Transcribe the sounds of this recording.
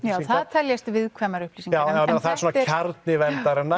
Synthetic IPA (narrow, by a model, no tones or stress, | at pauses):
jaːθaðt̪ʰɛljɛst̪vɪðkʰvɛːmaɾʏhplisiŋjawawɛːnɾaθaðɛɾsoːnacʰaɾt̪nɪvɛnt̪aɾɛna